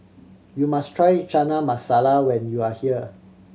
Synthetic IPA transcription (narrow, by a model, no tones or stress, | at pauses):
jumastʰɹajt͡ʃanamasalawɛ̃njuahiə